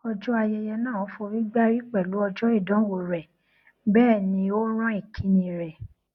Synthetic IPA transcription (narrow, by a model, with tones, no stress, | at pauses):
ɔ˧d͡ʒɔ˦a˧jɛ˧jɛ˧nãː˦˨o˨˦fo˧ɾi˦ɡ͡ba˦ɾi˦k͡pɛ˦˨lu˨˦ɔ˧d͡ʒɔ˦i˦˨dɔ̃˨˦wo˨˧˨ɾɛ˨ | bɛː˦˨nĩ˧o˦ɾ̃ɔ̃˦i˦˨kʰi˨˦nĩ˧ɾɛ˨